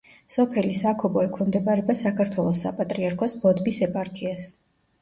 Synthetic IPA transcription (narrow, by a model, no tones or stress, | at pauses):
sɔpʰɛlisakʰɔbɔɛkʰwɛmd̪ɛbaɾɛbasakʰaɾt̪ʰwɛlˠɔsːa̰pʼat̪ʼɾiaɾkʰɔsbɔd̪bisɛpʼaɾkʰias